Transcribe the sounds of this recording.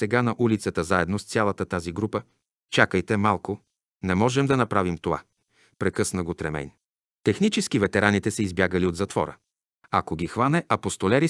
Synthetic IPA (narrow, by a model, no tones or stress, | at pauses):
sɛɡanɐʔulit̪sət̪əzaɛd̪nost̪sʲalˠɐt̪ət̪aziɡɾupə | t͡ʃakəjt̪ɛmalˠko | nɛmɔʒɛmd̪ɐnɐpɾavimt̪ova̰ | pɾɛkɤsnəɡot̪ɾɛmɛ̰jn | t̪ɛxnit͡ʃɛskivɛt̪ɛɾanit̪ɛsɛizbjaɡəliod̪zɐt̪vɔ̰ɾə̰ | ɐkoɡʲixvanɛʔɐpost̪olɛɾi